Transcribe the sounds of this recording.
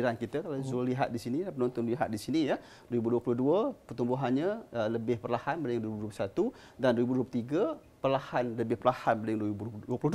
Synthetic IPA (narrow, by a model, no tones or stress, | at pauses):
iɾankit̪əkalazoliɦa̰t̪̚disiniapənɔnt̪ɔnliɦa̰t̪̚disinijə | dwɾibuduəpuluhduəpərt̪umbʊɦanɲələbɪhpərlahanbəlɪŋduɾibudup̬usat̪u | dandwɾibudup̬ut̪iɡa | pərlahanləbɪhpərlahanbəlɪŋduibuuəpulu